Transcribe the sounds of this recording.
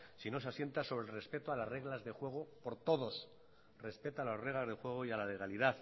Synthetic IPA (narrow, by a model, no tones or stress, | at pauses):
sino̞seasje̞nt̪aso̞βɾe̞lre̞spe̞t̪oalazre̞ɣlazðe̞xwe̞ɣ̞opo̞ɾt̪o̞ðo̞s | re̞spe̞t̪oalazre̞ɣlazðe̞xwe̞ɣ̞oialale̞ɣaliðaθ